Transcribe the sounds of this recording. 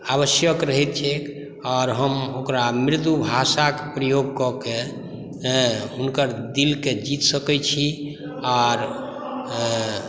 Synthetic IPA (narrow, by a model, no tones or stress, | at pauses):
aβəsjəkɾəɦɛt̪̚t͡ʃʰek | ɔɾɦəmokɾamɾit̪ubʱasakpɾəjoɡ̚kɔke | ɦunkəɾd̪ilked͡ʒit̪səkɛt͡ʃʰi | ɔɾ